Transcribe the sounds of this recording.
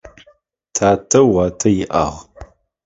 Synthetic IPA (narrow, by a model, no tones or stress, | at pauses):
tʰaːtʰɐwaːtʰɐjɪʔa̰ːʁ